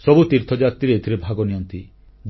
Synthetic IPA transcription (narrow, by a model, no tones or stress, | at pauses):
sɔbut̪iɾt̪ʰɔd͡ʒat̪ɾiɾet̪ʰiɾebʱaɡɔnijɔnt̪i | b̪